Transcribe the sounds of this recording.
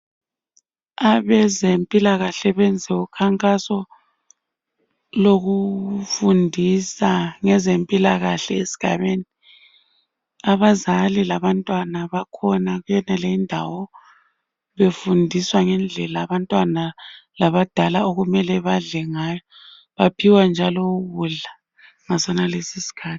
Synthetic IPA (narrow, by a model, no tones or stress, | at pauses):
aβɛzempʼilaɣaɬɛβɛnd͡zʱɛukʰaŋkʼasɔ | loɣufundʱisaŋɛzempʼilaɣaɬɛesi̥ɡ̥ʱa̰βeni | aβazalilaβantʼwanaβakʰɔnaɣujɛnɛleindʱa̰wɔ | βefundʱiswaŋɛnd͡ɮʱɛlaːβantʼwanalaβad̥ʱalaoɣumɛlɛβaɮɛŋaːjɔ | βapʰiwand͡ʒʱalɔɣuɮa | ŋasɔnalesisi̥kʰaːti̥